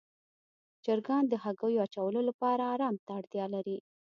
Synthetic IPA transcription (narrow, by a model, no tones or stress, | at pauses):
d͡ʒaɾɡɑnd̪əɦaɡəjoat͡ʃawəlolapɑɾaːɾɑmt̪aːɽt̪jɑlaɾi